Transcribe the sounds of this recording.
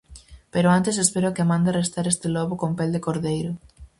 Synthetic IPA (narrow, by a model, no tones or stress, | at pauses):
peɾʊant̪esespeɾʊkɪmãnd̪arest̪aɾest̪ɪlɔβʊkompeld̪ɪkoɾðejɾʊ